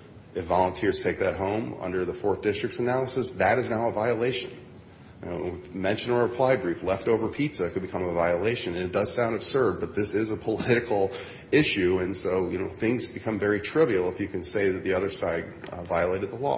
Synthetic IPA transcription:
ɨfvɑlˠə̃ntʰɪɹz̥tʰeɪk̚ðɨt̚ɦõʊ̃mʌ̰̃ndə˞ðəfɔɹθd̥ɪstɹ̥ɨk̚tsɨnælˠəsɨsðɨɾɨznaʊəvaɪəleɪʃɨ̃n̰ | mɛ̃nʃɨ̃nə˞ɨpʰl̥aɪbɹiflɛftoʊvə˞pʰitsɨkʰɨd̚bɨkʰʌ̃məvaɪəleɪʃɨ̃nɨ̃nɨt̚d̥ʌz̥sãʊ̃ndɨb̥sɜ˞d̚bʌt̪̚ðɪsɪzəpʰəlɪɾɨkʰl̩ˠ | ɪʃʉɨ̃nsoʊjɨnoʊθɪ̃ŋzbɨkʰʌ̃ɱvɛɹitʰɹ̥ɪvil̩ˠəfjɨkɨ̃nseɪðɨt̪̚ðiʌðə˞saɪd̚ | vaɪəleɪɾɨd̪̚ðəlɔ̰

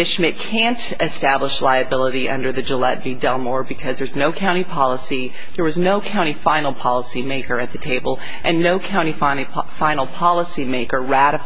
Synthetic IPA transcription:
ɪʃmɪt̚kʰæ̃nt | ɨstæbləʃlaɪɨbɪlˠəɾiʔʌ̰̃ndə˞ðɨd͡ʒəlɛ̰t̚b̥idɛlˠmɔɹbɨkʰʌzðə˞znoʊkʰãʊ̃ɾ̃ipʰɑlˠəsi | ðə˞wʌznoʊkʰãʊ̃ɾ̃ifãɪ̃nl̩ˠpʰɑlˠəsimeɪkə˞ɨt̪̚ðɨtʰeɪbl̩ˠ | ʔɨ̃nːoʊkʰãʊ̃ɾ̃ifa | fãɪ̃nl̩ˠpʰɑlˠəsimeɪkə˞ɹæɾɨ

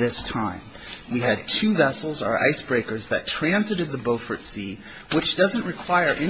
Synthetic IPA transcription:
ðɪstʰãɪ̃m | wiɨd̚tʰʉvɛsl̩ˠzə˞ʔa̰ɪsb̥ɹeɪkə˞zðɨ̰tʰɹ̥æ̃nzɨɾɨd̪̚ðɨboʊfə˞tsi | wɨt͡ʃd̥ʌzɨ̃nʔɹɨkʰw̥aɪə˞ʔɪ̃

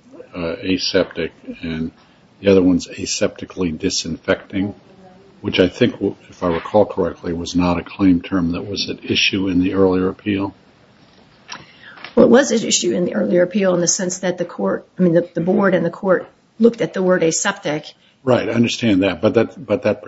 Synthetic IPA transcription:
eɪsɛp̚tɨkɨ̃n | ðiʌðə˞wʌ̃nzeɪsɛp̚tɨkʰlidɨsɨ̃ɱfɛk̚tɪ̃ŋ | wɨt͡ʃaɪθɪ̃ŋkɨfaɪwə˞d̚kʰɔlˠkʰə˞ɛk̚tʰˡliwʌznəɾɨkʰl̥ẽɪ̃mtʰɜ̃˞mðɨt̚wʌzɨɾɪʃʉɨ̃nðiɜ˞lˠiə˞ɨpʰilˠ | wɛlˠət̚wʌzɨɪ̰ʃʉɨ̃nðiʔɜ˞lˠiə˞ɨpʰilˠə̃nðɨsɛ̃nsðɨt̪̚ðɨkʰɔɹt̚aɪmĩnðɨðɨbɔɹɾɨ̃nðɨkʰɔɹt | lʊk̚tɨt̪̚ðəwɜ˞ɾeɪsɛp̚tɪk | ɹaɪtaɪʌ̃ndə˞stæ̃nðɨt̚b̥ʌt̪̚ðɨtb̥ʌt̪̚ðɨt̚

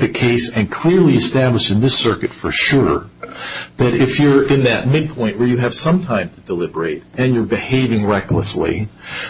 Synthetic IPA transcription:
ðɨkʰeɪsɨ̃nkʰl̥ɪɹliɨstæbləʃɨ̃nðɪsɜ˞kɨtfə˞ʃʊɹ | ðɨɾɪfjə˞ɪ̃nðɨt̚mɪd̚pʰɔ̃ɪ̃nʔwə˞jɨɨv̥sʌ̃mtʰãɪ̃mtʰɨdəlɪbə˞eɪɾɨ̃njə˞bɨheɪvɪ̃ŋɹɛkləslḭ

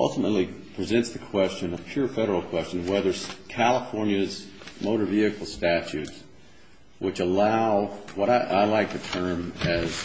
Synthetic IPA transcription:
ʔʌ̰lˠtəmətˡlipʰɹ̥izɛ̃ntsðɨkʰw̥ɛst͡ʃɨ̃nəpʰj̥ʊɹfɛɾə˞l̩ˠkʰw̥ɛst͡ʃɨ̃nwɛðə˞zkʰælˠəfɔɹnjɨzmoʊɾə˞viɨkl̩ˠstæt͡ʃʉts | wʔɨt͡ʃəlaʊwʌɾaɪʔaɪlaɪk̚tʰɨtʰɜ̃˞mɨz̥

